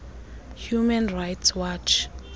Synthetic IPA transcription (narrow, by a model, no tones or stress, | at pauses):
hjumɛnrajtswat͡ʃʰ